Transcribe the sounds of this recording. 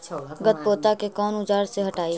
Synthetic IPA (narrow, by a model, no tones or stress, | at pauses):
ɡət̪̚poːt̪akekɔːnʊd͡ʒaːɾseɦɐʈaːi